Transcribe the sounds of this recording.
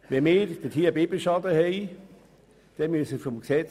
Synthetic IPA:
ʋɛmeːɾd̪̥ətʰiːbeːbeʃɑdəhɛɪ | d̥ɛmysəfɔmksɛt͡s

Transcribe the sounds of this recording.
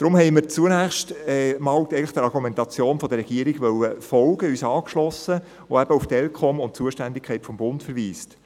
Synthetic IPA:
d̥ɾʊmhɛɪmɪɾt͡suənæːχʃtɛmɑːldɛɪɡŋ̩ləχd̥əɾɑɾɡumɛntɑt͡sjoːnfɔd̥̪əɾɛɡ̥iːɾiɡ̥ʋœlːəfɔlɡəyːsɑːkʃlɔsə | oæb̥əuftɛlkʰχɔmʊnt̚t͡suəʃtændɪkʰχɛɪtfɔmbʊntfɛɾʋiːst

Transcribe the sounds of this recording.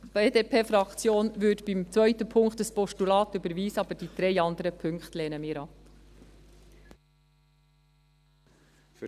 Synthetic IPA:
b̥eːdeːpʰeːfɾɑkt͡sjoːnʋʏdb̥imt͡svœʏtəpʰʊŋktəspɔʃtulɑːtybəɾviːsəɑb̥əd̥id̪̥ɾɛɪɑndəɾəpʰʏŋkχtleːnəmɪːɾɑ

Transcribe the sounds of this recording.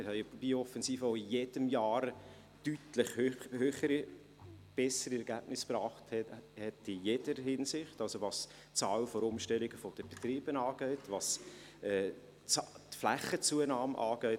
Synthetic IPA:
ɪhɛɪb̥iɔfɛnsiːfəoʊijed̥əmjɑːɾ | tytləχhøhøːχəɾi | b̥ɛsəɾiɛɾɡæb̥nɪsprɑːχthɛtɪjed̥əɾhɪnsɪχtɑlsoʋɑs | t͡sɑːlfɔɾʊmʃtɛliɡəfɔd̥əb̥et̪ɾiːb̥ənɑːɡ̥œɪtʋɑs | ɛː | tflæχət͡suənɑːmʔɑ̰ːɡ̥œʏ

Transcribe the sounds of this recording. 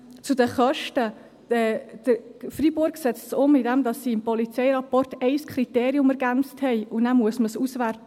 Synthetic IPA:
t͡sʊdəχœʃtə̥ | ɛd̥əfribʊɾɡsɛt͡stsʊmɪdɛmdɑsːiːɪmpɔlit͡sɛɪɾɑpɔrtɛɪskʰɾiteːɾiʊmɛɾɡænt͡sthɛɪʊnæmuəsməsusværtə

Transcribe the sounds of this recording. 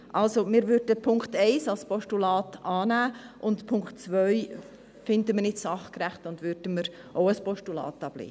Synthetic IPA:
ʔɑlsomɪːɾvʏɾdəpʰʊŋktɛɪsɑlspɔʃtulɑːtɑːnæːʔʊntpʰʊŋktt͡svœʏ | fɪndəmənɪtsɑχkræχtʊndvʏɾd̥əməɾʔoʊəspɔʃtulɑ̰ːtːɑb̥lḛː

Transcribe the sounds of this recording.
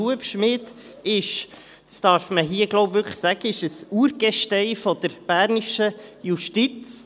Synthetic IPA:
uəpʃmɪd̪ | ɪʃ | tst̪ɑːɾfməɦiːəɡloʊbʋʏɾkʰə̥χsæɡ̥əɪʃəsuːɾɡ̥ɛʃtɛɪfɔd̥̪əɾb̥æɾniʃəjuʃtit͡s

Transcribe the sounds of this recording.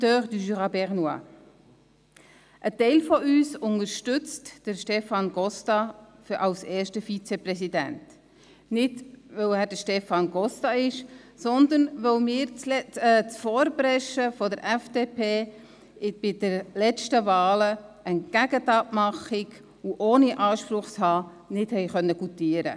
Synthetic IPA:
døːʁd̪yʒyʁɑbɛʁnwɑ̰ | ʔətɛɪlfɔyːsʊŋəɾʃtʏt͡std̥əɾʃtɛfɑnɡɔstɑfʔɑlseːɾʃtəfit͡sɛprɛsidæ̰nt | nɪdvœwæːdəʃtɛfɑnɡɔstɑɪʃ | sɔnd̪ənʋəlmɪːɾt͡slɛɛt͡sfɔːɾbɾɛʃəfɔdəɾʔɛfd̥eːpʰeː | ɪb̥ɪd̥əɾlɛt͡ʃtəvɑːləənɡ̥æɡ̥ətɑːtmɑχɪɡ | uʔoːniʔɑːʃpɾʊχshɑː | nɪthɛɪχœnːəɡut̪iəɾə̰

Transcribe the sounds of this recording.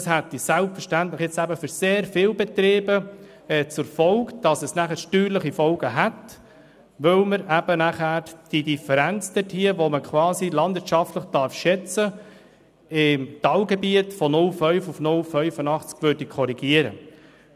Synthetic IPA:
shæt̪ːisælpfəɾʃtænt̪ləχjet͡sæbəfʏɾseːɾfɪːlbɛt̪ɾeːbə | ɛt͡sʊɾfɔlkd̥ɑsəsnæχəɾʃtyːɾləχifɔlɡ̥əɦæt | ʋɵlməɾæb̥ənæχæːɾd̥idifɛɾænt͡sd̥ɛthiəʋoməkʰʋɑːsilɑndvɪtʃɑftləχd̥ɑɾfʃɛt͡sə | ɪmtɑwɡebiətfɔnʊlfœʏfufnʊlfœʏfənɑχt͡skʋøːɾdikʰɔɾiɡ̥iəɾə̰

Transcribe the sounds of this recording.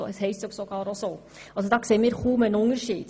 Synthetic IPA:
oɛshɛɪstoksoɡɑːɾoso | ɑls̬ɔd̪ɑkseːmiːɾχuːmɛnʊŋəɾʃiːd̥̪

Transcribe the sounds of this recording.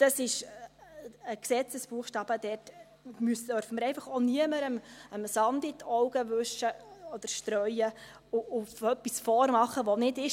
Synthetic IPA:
d̥ɑsɪʃ | əksɛt͡səsb̥uəχʃtɑːb̥əd̥ɛt | mysd̥œɾfəməɾɛɪfɑχoniəməɾəməmsɑndɪtʰɔʊɡ̥əʋɵʃəɔd̥əɾʃtɾœʏə | ʊʊfœpːisfɔːrmɑχəʋonɪdɪʃ

